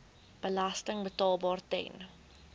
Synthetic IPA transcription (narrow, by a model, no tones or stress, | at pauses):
b̥əlɐstəŋbətɑːlˠbɑːrtɛ̰n